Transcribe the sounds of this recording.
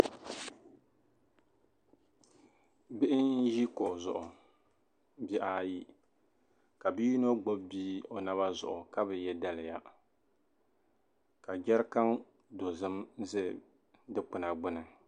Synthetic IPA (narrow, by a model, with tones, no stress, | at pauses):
bɪ˦ʔɪ˦nʒi˦ko˨zʊ̰˨ʔʊ˨ | bi˦ʔaː˦ji˦ | ka˨bi˦ji˦no˦ɡ͡bo˦bbiː˦o˨na˦βa˦zʊ̰˨ʔʊ˨ka˦bɨ˨jɛ˦da˦lɪ˨ja˦ | ka˨d͡ʒɛ˦ɾka˦ŋ | do˨zɨ˦mzɨ˦ | dɨ˦k͡pʊ˨na˨ɡ͡bʊ˦nɨ˨